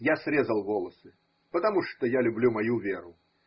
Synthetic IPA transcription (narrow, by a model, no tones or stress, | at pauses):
jasɾʲezəlˠvɔlˠəsɨ | pət̪ɐmuʂt̪ɔjalʲʊblʲumɐjuvʲeɾʊ